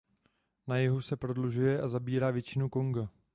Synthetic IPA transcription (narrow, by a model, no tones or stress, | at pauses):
najɛɦusɛpɾo̞dluʒujɛʔazabiːɾaːvjɛt͡ʃɪnukoŋɡa